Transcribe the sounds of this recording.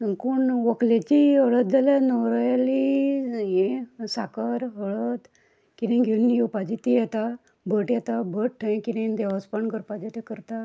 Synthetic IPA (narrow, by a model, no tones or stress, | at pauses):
kuɳʋəklet͡ɕiɦəɭət̪̚d͡zalanɔwɾajaliɦẽsakəɾɦəɭət̪ | kinẽɡʱinːjiwpad͡ʑit̪ijɛt̪a | bʱəʈjɛt̪abʱəʈʰːə̃kiɽẽd̪ɛʋəspəɳkəɾpad͡ʑet̪ekəɾt̪a